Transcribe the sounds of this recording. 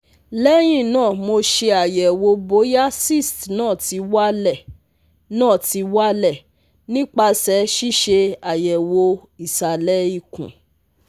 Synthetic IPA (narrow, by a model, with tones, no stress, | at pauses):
lɛ˦j̃ĩ˦˨nãː˦˨mo˧ʃe˧a˨jɛ˨wo˧bo˨˦ja˦si˦˨stnãː˦˨ti˨˧wa˦lɛ˦˨ | nãː˦˨ti˧˦wa˦lɛ˦˨ | nĩ˦k͡pa˧sɛ˨˦ʃi˦ʃe˧a˨jɛ˨wo˧i˦˨sa˨lɛ˦i˦˨kṵ̃˨